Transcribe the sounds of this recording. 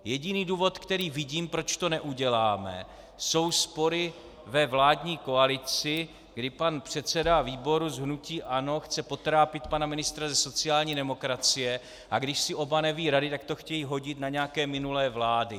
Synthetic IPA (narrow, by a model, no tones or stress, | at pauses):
jɛɟɪniːduːvo̞t̪kt̪ɛɾiːvɪɟiːmpɾo̞t͡ʃt̪o̞nɛʔuɟɛlaːmɛ̰ | so̞wspo̞ɾɪ | vɛvlaːdɲiːko̞alɪt͡sɪ | ɡdɪpanpr̝̥ɛt̪t͡sɛdaviːbo̞ɾuzɦnuciːʔano̞xt͡sɛpo̞t̪ɾaːpɪt̪panamɪnɪst̪ɾazɛso̞t͡sɪaːlɲiːdɛmo̞kɾat͡sɪjɛ | ʔaɡdɪʃsɪʔo̞banɛviːɾadɪt̪akt̪o̞xcɛjiɦo̞ɟɪt̪naɲɛakɛːmɪnulɛːvlaːdɪ